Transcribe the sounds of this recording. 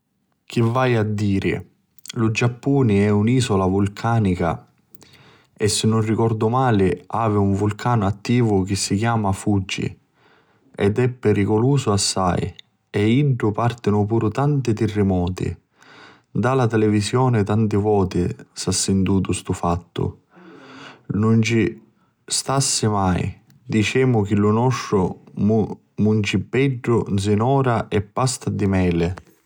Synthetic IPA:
k̟ivːajad̪ːiːɾɪ̰ | lʊd͡ʒapːuːnɪɛuniːsɔlavulkʰaːnika̰ | ɛsːɪnːʊnrikɔrd̪ʊmaːlɪaːvɪuɱvulkʰaːnʊat̪ːiːvʊk̟ɪsːikjaːmafud͡ʒːḭ | ɛ̰d̪ɛpːɛɾikʊluːsʊasːa̰j | ɛiɳʈʊpart̪ɪnʊp̬uːɾʊt̪ant̪ɪt̪ɪrːɪmɔːt̪ɪ̰ | d̪alat̪ɛlɛvisjɔːnɪt̪ant̪ɪvɔːt̪ɪsasːɪnt̪uːt̪ʊst̪ufat̪ːʊ̰ | nʊnt͡ʃi | st̪asːɪmaj | d̪it͡ʃɛːmʊk̟ɪlʊnɔʂːʊ | munt͡ʃibːɛɖːʊzɪnɔːɾaʔɛpːast̪ad̪imɛːlɪ

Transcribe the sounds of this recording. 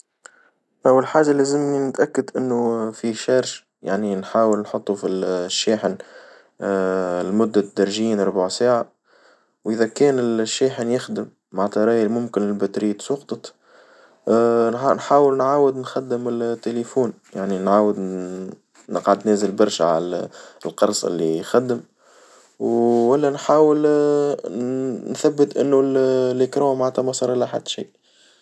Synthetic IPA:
ʔæwːalħaːʒalæzɪmninɪt̪ʔækːad̪ʔɪnːufiʃɑːɾʃ | jaʕninħaːwəlnħʊt̪ˤːufiʃːiːħɪn | lmʊd̪ːad̪ɑɾˤʒiːnɾˤʊbaʕsaːʕa | wʔɪðækɛːnɪlʃːiːħənjɪxd̪ɪmːaʕt̪ɑɾˤɑːjlmʊmkɪnɪlbæt̪ɾiːt̪sˤʊqt̪ˤɑt̪ | nnħaːwəlnʕaːwəd̪nxad̪ːəmɪlt̪ːelefuːn | jaʕninʕaːwəd̪ | nə̰qʕad̪næːzəlbɑɾˤʃaʕa̰llqɑɾˤsˤɪ̰lːixæd̪ːəm | wːælːænħaːwəl | nθæbːət̪ʔɪ̰nːulːɪkɾoːnmaʕt̪æmɑsˤɑːɾˤʔɪlːæħa̰d̪ːʃḭːʔ

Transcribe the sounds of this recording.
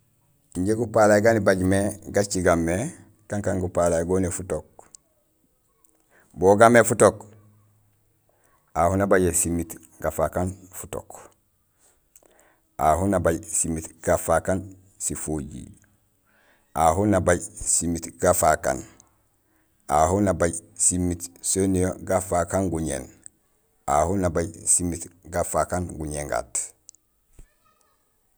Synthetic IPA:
iɲɟeɡupalajɡanibaɟmeɡat͡ʃiɡamːe | kaŋkaŋɡupalajɡoːnefutok̚ | boɡamːefutok | ahunabaɟesimit | ɡafakanfu̥to̰k | ahunabaɟsimitɡ̥afakan | sifoɟḭ | aɦunabajsimitɡ̥afaka̰n | aɦunabajsimːitsonijoɡafakaŋɡuɲḛn | ahunabajsimːitɡafakanɡuɲeŋɡa̰t

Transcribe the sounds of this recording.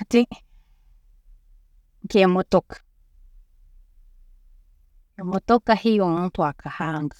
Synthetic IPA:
t̪i | ŋkemot̪okḁ | mõt̪okahijoŋt̪wakʰahaŋɡɨ

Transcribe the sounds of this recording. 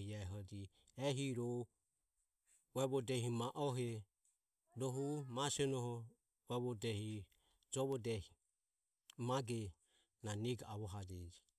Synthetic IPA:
hiaɛɦɔd͡ʒi | ɛɦiɾɔ | uɛβɔdɛhimaʔɔɦɛ | ɾɔɦumasɛnɔhɔ | ɛβɔdɛhi | d͡ʒɔβɔdɛhi | maɡɛ | naniɡaaβɔɦad͡ʒɛd͡ʒi

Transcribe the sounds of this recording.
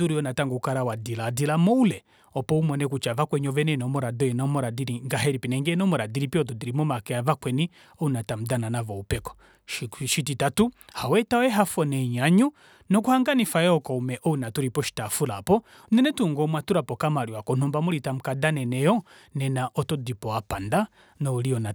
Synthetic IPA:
tuɾiɔnataŋɡɔkaɾawadiladilamɔulɛ | ɔpɔumɔnɛkut͡ʃavakwɛɲiɔvɛnɛnɔmɔɾadɔjɛnɔmɔɾadiɾiŋɡaɦɛɾipinɛŋɡɛnɔmɔɾadiɾipiɔtɔdiɾimɔmakɛavakwɛni | ɔunatam̩dananavɔupɛkɔ̥ | ʃʃititatuhawɛtawɛɦafɔnɛɲaɲu | nɔk̬uhaŋɡanifajɛɔkɔumɛʔɔunatuɾipɔʃi̥tafulapɔ | nɛnɛtuŋɡɔmwatuɾapɔkamaɾiwakɔnɔmbamuɾitam̩kadanɛnɛjɔ | nɛnaʔɔtɔdipɔapanda | nɔuliɔna

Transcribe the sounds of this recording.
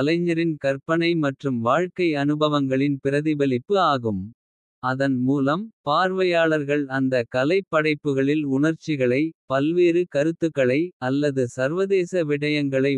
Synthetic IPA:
ɐlɐɪɲːɐɾɪnkɐɾpɐnɐɪmɐʈrɯmʋaːɻkɐɪɐnɯbɐʋɐŋɡɐɭɪnpɪɾɐðɪʋɐlɪpːɯaːɣɯm | ɐðɐnmuːlɐmpaːɾʋɐjaːɭɐɾɣɐɭɐnd̪ɐkɐlɐɪpːɐɽɐɪpːɯɣɐɭɪlʊɳɐɾt͡ʃːɪɣɐɭɐɪpɐlʋeːɾɯkɐɾɯt̪ːɯkːɐɭɐɪɐlːɐðɯsɐɾʋɐðeːsɐʋɪɽɐjɐŋɡɐɭɐɪ

